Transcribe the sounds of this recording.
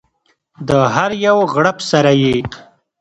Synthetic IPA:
d̪əɦaɾjawɣɽapsaɾaje

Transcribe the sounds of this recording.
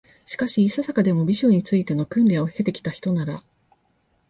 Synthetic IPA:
ɕi̥kaɕiːsasakad̪e̞mo̞bʲiɕõɲ̟ːit͡sɨit̪e̞no̞kɯ̟̃nɾʲaohe̞t̪e̞kʲi̥t̪açi̥t̪o̞naɾa

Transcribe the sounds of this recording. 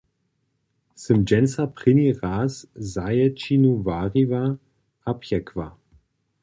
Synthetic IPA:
sɨmd͡ʒɛnsapʁɪniʁaːszajɛt͡ʃinuvaːʁiva | apʰjɛkʰva

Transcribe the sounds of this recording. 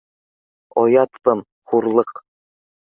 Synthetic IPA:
ɒjɑt̪pɤm | χuɾlˠɤq

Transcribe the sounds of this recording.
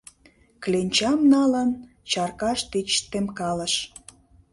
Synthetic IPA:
klenʲt͡ɕɑmnɑlən | t͡ɕɑrkɑʃt̪it͡ɕt̪emkɑləʃ

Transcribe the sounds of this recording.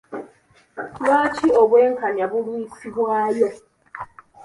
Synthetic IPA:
wat͡ʃiobeŋ̩kanjabʊɾuisiɦoaja

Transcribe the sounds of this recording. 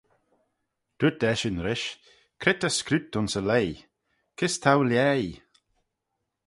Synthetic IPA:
d̪̥utɛʃɪnɾɪʃ | kʰɾɪt̪əskɾʉt̪ʊnsəlej | kʰɪst̪ʰawlʲjɛːj

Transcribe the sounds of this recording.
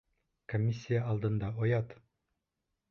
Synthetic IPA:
komʲːisʲːijəːlˠd̪ɤ̆nd̪ɑojɑt̪

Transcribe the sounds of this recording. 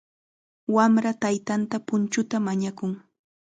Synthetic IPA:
wamɾat̪ajt̪ant̪apʊnt͡ʃʊt̪amaɲakʊŋ

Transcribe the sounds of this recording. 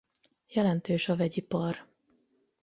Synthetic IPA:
jɛlɛnt̪øːʃɒvɛɟipɒr

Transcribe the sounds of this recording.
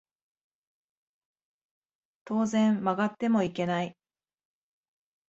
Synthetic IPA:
t̪o̞ːzẽ̞mːaɡat̪ːe̞mo̞ike̞nai

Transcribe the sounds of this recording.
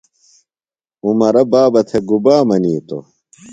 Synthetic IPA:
umɐɾɐbaːbɐt̪ʰeɡubaːmɐniːt̪o̰

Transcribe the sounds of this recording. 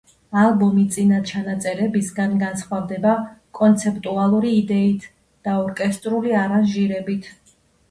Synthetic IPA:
alˠbɔmit̪sʼinat͡ʃʰanat̪sʼɛɾɛbisɡanɡansχwavd̪ɛbakʼɔnt̪sʰɛpʼt̪ʼualˠuɾiːd̪ɛit̪ʰ | d̪̥aɔɾkʼɛst̪ʼɾuliaɾaʒiɾɛbit̪ʰ

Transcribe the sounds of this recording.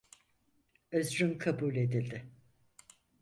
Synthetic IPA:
øzɾymkʰabuːlʲe̞d̪ilʲd̪ɪ

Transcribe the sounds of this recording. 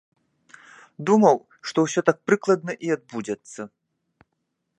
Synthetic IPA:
d̪umɐw | ʂt̪ɔwsʲɔt̪ak̚pɾɨklˠɐd̪nɐʔiad̪̚bud͡zʲɛt̪sːɐ

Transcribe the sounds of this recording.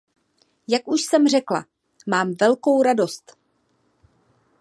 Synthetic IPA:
jakʔuʃsɛmr̝ɛkla̰ | maːmvɛlko̞wɾado̞st̪

